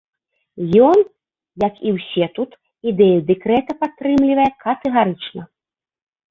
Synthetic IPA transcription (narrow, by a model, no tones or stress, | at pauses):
jɔn | jɐkiwsʲɛt̪ut̪ | id̪ɛjud̪ɛkɾɛt̪ɐpat̪ːɾɨmlʲivɐjɛkɐt̪ɛɣaɾɨt͡ʂnɐ